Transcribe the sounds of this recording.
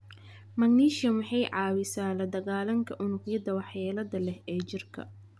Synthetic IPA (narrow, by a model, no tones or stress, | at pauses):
mɐɡniːʃɐmɑħɑjʕɑːwɪsaːlɐd̪ɐɣaːlɐŋkʰɐʔʊnʊqjɐd̪ɐwɑħjaːlɐðɐlɛhɛːt͡ʃɪrkʰɐ̰